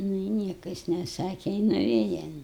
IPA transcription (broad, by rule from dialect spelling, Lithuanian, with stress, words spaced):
ˈnʊ ɪ ˈnʲiɛkɐ jɪs nʲɛˈsɑːkʲɛ ɪ nʊˈʋʲeːjɛ